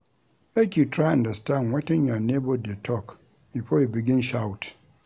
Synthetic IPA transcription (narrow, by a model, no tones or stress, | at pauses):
ʔakʲitʰɾaʔãndastanwɛtɪnjanebɔdetʰɔk | ipojbɪɡʲɪ̃nʃawt